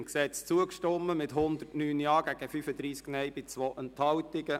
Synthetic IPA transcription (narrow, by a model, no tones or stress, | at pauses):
mksɛt͡st͡suəkʃtɔmːəmɪtɦʊnd̪ərtnyːnjɑːɡæɡ̥əfyfəd̪ɾiːsknɛjb̥ɪt͡sʋoʔənthɑwtɪɡə